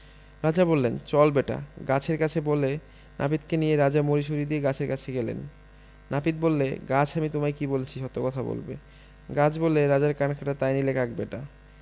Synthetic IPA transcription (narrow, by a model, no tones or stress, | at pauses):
ɾad͡ʑabolːent͡ɕɔlbeʈa̰ɡat͡ɕʰeɾkat͡ɕʰebolːe | nʔa̰pit̪kenijeɾad͡ʑamoɾiʃ̬oɾid̪ieɡat͡ɕʰeɾkat͡ɕʰeɡɛlḛnː | apit̪̚bolːḛɡat͡ɕʰamit̪omajkibolet͡ɕʰiʃɔt̪ːokɔt̪ʰabo̰lbḛ | ɡat͡ɕʰbolːeɾad͡ʑaɾkankʰaʈat̪ajnilekak̚beʈa